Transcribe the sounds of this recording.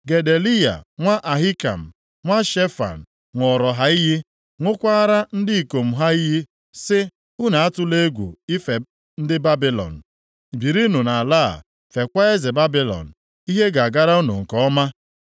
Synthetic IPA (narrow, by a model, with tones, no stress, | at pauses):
ɡe˨de˨li˦ja̰˨ŋʷa˦ʔa˨ɦi˦ka̰˨m̩˨ | ŋʷa˦ʃe˦fa̰˨n̩˨ | ŋʷɔ˨ɾɔ˨ɦa˦i˦ɦɪ˦ | ŋʷʊ˦kʷa˦a˦ɾa˦n̩˦dɪ˦i˨ko˨m̩˨ɦa˦i˦ɦɪ˦ | sɪ˦ | ʊ˦na˨a˦tʊ˦le˦ɡʷṵ˨i˦fe˨ | n̩˦dɪ˦ba˦bi˦lɔ̰˨n̩˨ | bi˨ɾi˦nʊ˨na˨la˦˨ | fe˨kʷa˦e˦zɪ˨ba˦bi˦lɔ̰˨n̩˨ | i˦ɦe˦ɡa˨a˨ɡa˦ɾa˦u˦nʊ̰˨ŋ̩˨kɔ˦ɔ˦ma˦